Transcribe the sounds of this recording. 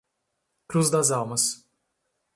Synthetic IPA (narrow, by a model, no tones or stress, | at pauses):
kɾuzd̪azalˠmɨs